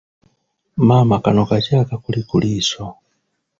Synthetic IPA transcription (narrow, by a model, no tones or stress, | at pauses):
mamakanɔkat͡ʃakakulikuliːsɔ